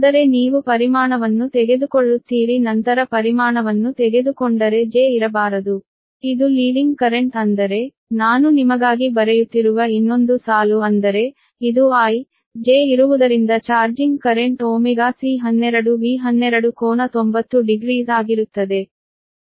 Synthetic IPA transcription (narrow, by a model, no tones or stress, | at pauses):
ɐd̪ɐɾe̞niːʋupɐɾimaːɳɐʋɐnːut̪ɛɡe̞d̪ukoɭːut̪ːiːɾinɐnt̪ɐɾɐpɐɾimaːɳɐʋɐnːut̪ɛɡe̞d̪ukoɳɖɐɾe̞d͡ʒeːiɾɐbaːɾɐd̪u | id̪uliːɖiŋɡkɐɾe̞ɳʈɐnd̪ɐɾe̞ | naːnunimɐɡaːɡibɐɾejut̪ːiɾuʋɐinːo̞nd̪usaːluɐnd̪ɐɾe̞ | id̪uaːj | d͡ʒe̞ːiɾuʋud̪ɐɾind̪ɐt͡ʃaːɾd͡ʒiŋɡkɐɾeɳʈoːmiɡasiɦɐnːɛɾɐɽuʋiːɦɐnːɛɾɐɽukɔːnɐt̪ombɐt̪ːuɖiɡɾiːzaːɡiɾut̪ːɐd̪e̞